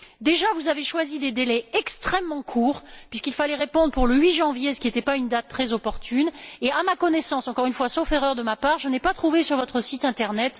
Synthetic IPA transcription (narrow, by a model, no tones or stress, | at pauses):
d̪eʒavuzaveʃwazid̪ed̪elɛɛkst̪χɛmːɑ̃kʰuːʁpɥiskilfalɛʁepɔ̃d̪ʁəpuʁləɥiʒɑ̃vjesə̥kʲiet̪ɛpaynd̪at̪ːχɛzɔpɔʁt̪ʰyneamakɔnesɑ̃sɑ̃kɔʁynfwasofeʁœʁd̪əmapaʁʒənɛpat̪χuvesyʁvɔt̪χəsit̪ɛ̃t̪ɛʁnɛt̪